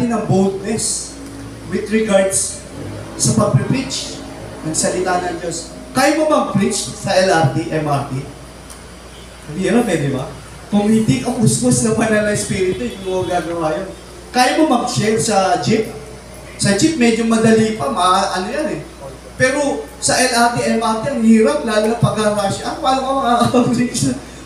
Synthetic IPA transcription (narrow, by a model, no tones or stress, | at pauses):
ɪnɐŋbold̪̚nɛs | wɪd̪ɹɛɡaɹd̪s | sɐpɐɡ̚pɾɪpɾint͡ʃ | nɐɡsɐlɪt̪aːnɐŋd͡ʒos | kaːjɐmomɐŋpɾint͡ʃsɐʔɛlaɾt̪iʔɛmaɾt̪i | kɐbiɐlamɛd̪ɪba | kʊŋhɪnd̪ikɐpʊskoslɐmɐnɐlɐɛspiːɾɪt̪ʊjʊŋmɐmɐɡaːɡɐwaːjon | kaːjɐmomɐŋʃɛlsɐd͡ʒɪp̚ | sɐd͡ʒip̚mɛd͡ʒomɐd̪ɐlipɐmɐaʔɐnojanɛ | pɛːɾo̞sɐʔɛlʔɐɾt̪iʔɐjmaɾt̪iɐŋhiːɾɐp̚laːlʊnɐpɐɡaɾaʃʔɐwaːlɐpɐmɐŋakkɐfɾit͡ʃɐ